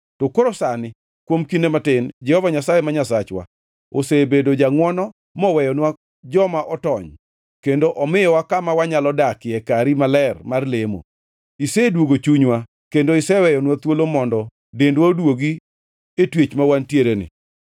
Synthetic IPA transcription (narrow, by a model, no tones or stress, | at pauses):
tokoɾosanɪ | kwomkinematɪnd͡ʒɛhɔvaɲasajemaɲasat͡ʃwa̰ | osebedod͡ʒaŋwɔnɔ | mɔwɛjɔnwa | d͡ʒɔmaʔɔtɔɲ | kendoʔɔmɪjɔwakamawaɲalɔdakɪɛkaɾimalɛrmarlemo̰ | isedwoɡot͡ʃuɲwa | kendoisɛwɛjɔnwat̪wolomɔndɔ | dendwaodwoɡi | etwet͡ʃmawantjeɾenɪ̰